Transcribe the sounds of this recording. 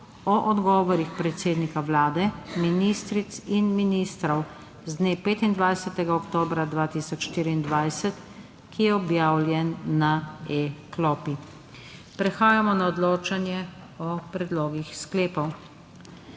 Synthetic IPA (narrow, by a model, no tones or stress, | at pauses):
ɔʔɔd̪ɡɔːʋɔɾixpɾɛt̪seːd̪nikawlaːd̪ɛminist̪ɾit̪sinminist̪ɾɔw | zd̪neːpeːt̪ind̪ʋajsɛt̪ɛɡaɔkt̪oːbɾad̪ʋaːt̪iːsɔt͡ʃʃt̪iːɾiːnd̪ʋajsɛt̪ | kijɛɔbjaːwljɛnːaeklɔːpi | pɾɛxaːjamɔnaɔd̪loːt͡ʃanjɛ | ɔpɾɛd̪loːɡixskleːpɔw